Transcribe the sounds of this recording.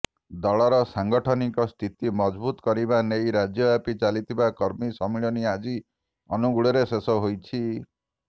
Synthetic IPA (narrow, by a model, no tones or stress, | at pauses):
d̪ɔɭɔɾɔsaŋɡɔʈʰɔnikɔst̪ʰit̪imɔd͡ʒbut̪ɔ̥kɔɾibanejɾad͡ʒjɔapit͡ʃalit̪ʰibakɔɾmisɔmiɭɔniad͡ʒi | ɔnuɡuɭɔɾesesɔɦojt͡ʃʰi